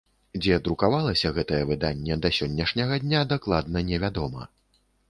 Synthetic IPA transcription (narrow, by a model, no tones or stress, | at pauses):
d͡zʲɛd̪ɾukavalˠɐsʲɐɣɛt̪ɐjɛvɨd̪anʲːɛd̪ɐsʲɔnʲːɐʂnʲɐɣɐd̪ʲnʲad̪aklˠad̪nɐnʲɛvʲad̪ɔmɐ̰